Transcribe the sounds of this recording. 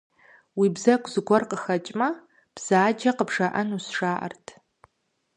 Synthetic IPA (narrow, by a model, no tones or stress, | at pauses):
wiːbzɐkʷʼzɨɡʷɔrqəxɐt͡ʃʼmɐ | b̥z̥aːd͡ʒɐqəbʐɐʔɐnusʂaːʔɐ̰rtʰ